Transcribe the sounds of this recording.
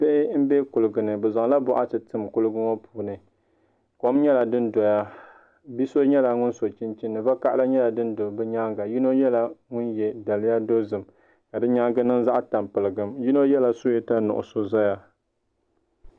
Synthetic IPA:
pe˦ʔɪ˦m̩˦bɛ˦kʊ˨lɨ˨ɡɨ˨nɨ˨bɛ˨za˨ŋ˦la˦bɔ˨ʔa˦tɨ˨tɨ˦mkʊ˦lɨ˦ɡɨ˦ŋo˦pʰuː˨nɨ˨ | ko˨˦mɲɛ˦la˨dɨ˦ndɔ˨ja˦ | bi˦so˦ɲɛ˦la˨ŋʊ˦nso˨t͡ʃi˦nt͡ʃi˦nːɨ˨va˦ka˦ʔla˦ɲɛ˦la˨dɨ˦ndo˨bɨ˦ɲa˦ŋɡa˨ji˦no˦jɛ˦la˨ŋʊ˦njɛ˨da˨lɪ˦ja˦do˦zɨ˨m | ka˨dɨ˦ɲa˦ŋɡɨ˦nɨ˦nza˦ʔta˨mpɨ˨lɨ˨ɡɨ˨mji˦no˦jɛ˦la˨so˦jɛ˦ta˦nʊ̰˨ʔʊ̰˨so˦za˦ja˦

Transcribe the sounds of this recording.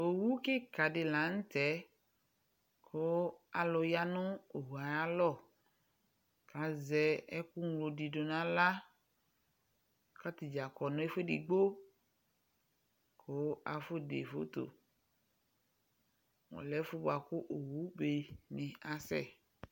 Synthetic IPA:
o˨wu˦ke˦ka˨ɖe˨la˨˦ŋ̩˦t̪ɛ˨˦ | kʰo˨˦a˨lɔ˨ja˦nõ˦o˨ɦu˨a˨ja˦lɔ˦˨ | ka˨zɛ˨ɛ˦ku˦ŋlo˨ɖi˨ɖo˨nã˦la˦ | ka˦t̪i˨d͡ʒa˨kɔ˨nõ˦e˦fe˦ɖḭ˨ɡ͡bo˦ | kʰo˨wo˦a˨fo˦dḛ˨fo̰˦t̪o̰˨ | ŋɔ̰̃˨lɛ˦fo˦bo˨a˨ku˦ʔo˨wu˦be˨nĩ˨a˨sɛ̰˦˨

